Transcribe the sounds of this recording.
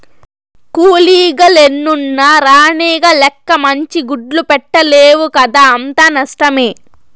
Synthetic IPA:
kuːliːɡɐlenːunːɐɾaːɳiːɡɐlɛkːɐmɐɲt͡ʃiɡuɖlupɛʈːɐleːʋukɐd̪aːɐnt̪aːnɐʂʈɐmeː

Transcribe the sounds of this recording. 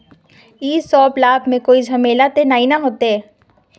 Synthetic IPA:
iːsɔːplaːbmẽkoːid͡ʒʱɐmeːlat̪enaːinaɦoːt̪eɛː

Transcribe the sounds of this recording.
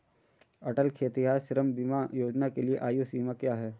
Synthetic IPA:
ɐʈəlkʰeːt̪iɦaːɾʃɪɾəmbimajoːd͡ʒnakelieʔaːjusiːmakjaːɦɛː

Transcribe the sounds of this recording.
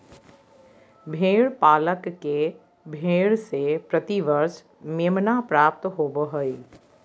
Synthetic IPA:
bʱeːɽpaːləkːe | bʱeːɽsepɾət̪iʋəɾʃ | meːmnapɾaːp̚t̪ɦoːbəɦoi

